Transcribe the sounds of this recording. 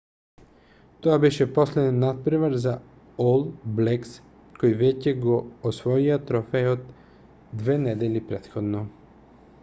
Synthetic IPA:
t̪oabɛʃɛpɔslɛd̪ɛnːat̪̚pɾimaɾza | olˠblɛks | kɔjvɛcɛɡɔːsvɔiat̪ɾɔfɛod̪ː | vɛnɛd̪ɛlipɾɛt̪xɔd̪nɔ

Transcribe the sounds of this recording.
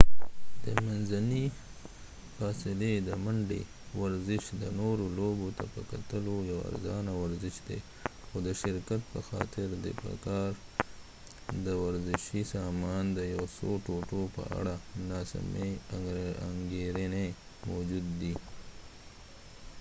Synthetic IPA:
d̪̥əmanzani | fɑsɪled̪əmaɳɖḛ | waɾzɪʃd̪ənoɾolobot̪apəkat̪əlojawa̰ɾzɑnawaɾzɪʃd̪ḛ | xod̪əʃɪɾkat̪̚pəxɑ̰t̪ɪɾd̪ḛpə̰kɑɾ | d̪əwaɾzɪʃisɑmɑnd̪əjawsoʈoʈopə̰a̰ɽanɑsm | aŋɡeɾene | mawd͡ʒud̪ːi

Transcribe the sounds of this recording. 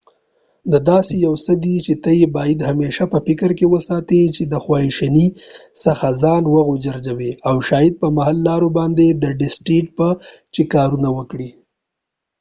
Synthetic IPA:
d̪əd̪ɑsejawsəd̪it͡ʃet̪əjebɑjid̪hameʃapəpɪkəɾkewəsɑt̪et͡ʃed̪əxwɑiʃanisəxazɑnwəɣod͡ʒaɾd͡ʒaweawʃɑjɪd̪̚pəmaɦalːɑɾobɑnd̪ed̪əɖɪsʈɾik̚pə | t͡ʃekɑɾunawəkɽi

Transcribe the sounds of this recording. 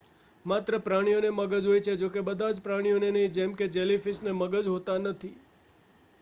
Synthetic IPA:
mat̪ɾəpɾaɽ̃ijoneməɡəd͡ʒɦojt͡ʃʰed͡ʒokebəd̪ʱad͡ʒpɾaɽ̃ijonenəɦĩd͡ʒɛmked͡ʒɛlifisneməɡəd͡ʒɦot̪anət̪ʰi

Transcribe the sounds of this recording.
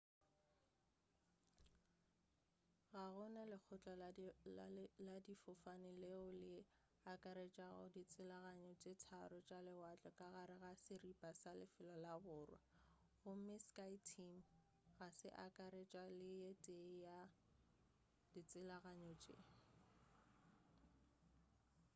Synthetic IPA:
ɣaɣʊnalɪk͡xʰʊt͡ɬʼɔ | ladifʊfanɪleʊlɪ | akʼaɾet͡ʃʼaɣʊ̰dit͡sʼɪlaɣaɲɔt͡ʃʼetʰaɾʊt͡ʃʼalɪwat͡ɬʼɔkʼaɣaɾɪɣasɪripʼasalɪfɪlɔlabʊːrwɛ̰ | ɣʊmɪskaitʰim̩ | ɣasɪ̰ʔakʼaɾet͡ʃʼalɪjetʼeja | dit͡sʼɪlaɣaɲɔt͡ʃʼḛ

